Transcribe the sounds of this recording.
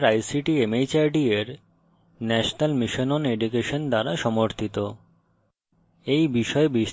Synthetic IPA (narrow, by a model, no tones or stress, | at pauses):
ɾajsiʈiemejt͡ɕaɾɖieɾ | nɛʃonalmiʃonɔneɖukeʃond̪aɾaʃɔmoɾt̪ʰit̪o | ejbiʃɔebiʃ